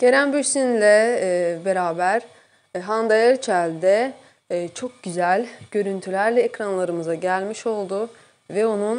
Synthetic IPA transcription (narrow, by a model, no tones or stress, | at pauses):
ɟ̥e̞ɾænbyɾsinlʲɛbe̞ɾaːbæɾ̥ | ɦand̪ajaɾt͡ʃʰælʲd̪ɛː | t͡ʃʰo̞k̚ɟyzælʲɟ̥ø̞ɾynt̪ʰylʲæɾlʲɛecɾanlˠaɾɯmɯzaɟælʲmiʃo̞lˠd̪ʊ | vɛonun